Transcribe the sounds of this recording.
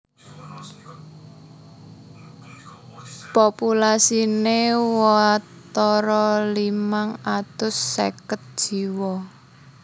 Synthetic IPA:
populasinewɔa | t̪ɔɾɔlimaŋat̪ʊsːḛkət̪̚d̥ʒ̥i̤wɔ

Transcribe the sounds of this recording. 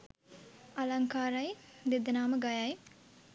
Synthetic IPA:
ɐlɐŋkaːɾɐjd̪id̪ɐnaːmɐɡajaj

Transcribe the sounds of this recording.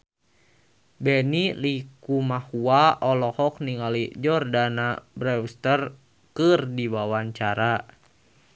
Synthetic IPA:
bɛnilikumahuaɔlɔhɔk̚niŋalid͡ʒɔrdanabɾɛwst̪ər | kɨrdiwawaɲt͡ʃaɾa

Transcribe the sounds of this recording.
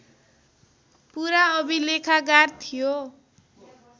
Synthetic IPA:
puɾaʌbilekʰaɡart̪ʰijo

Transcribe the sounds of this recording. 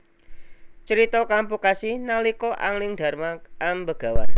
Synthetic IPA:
t͡ʃəɾit̪ɔkampukasinalikɔʔa̰ŋlɪŋɖ̪̥a̤rmaaŋbəɡ̥a̤wan

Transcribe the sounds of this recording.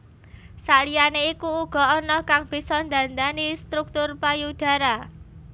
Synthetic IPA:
salijaneikuːɡ̥ɔ̤ɔnɔkaŋb̥i̤sɔnd̪a̤nd̪anist̪ɾuk̚t̪ʊrpajud̥a̤ɾa

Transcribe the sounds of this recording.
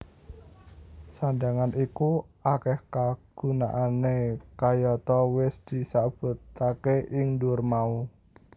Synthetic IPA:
sand̪aŋanikuakɛhkaɡ̥ṳna̰ʔanekajɔt̪ɔwɪsd̪̥i̤sab̥ṳt̪akeʔɪŋdʊrmau

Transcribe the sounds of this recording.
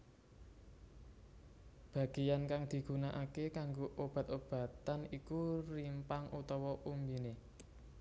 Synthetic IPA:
b̥a̤ɡ̥i̤jankaŋd̪̥i̤ɡ̥ṳnaʔakekaŋɡoʔob̥a̤t̪ob̥ä̤t̪anikurimpaŋut̪ɔwɔʔumbine

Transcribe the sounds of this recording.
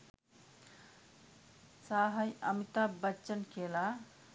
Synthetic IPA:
saːɦɐjɐmit̪abətːt͡ʃənkeːla

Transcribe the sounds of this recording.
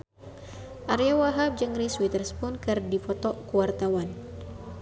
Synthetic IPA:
ʔaɾjawaɦap̚d͡ʒəŋɾiswit̪ərspunkɨrdifɔt̪ɔkuwart̪awan

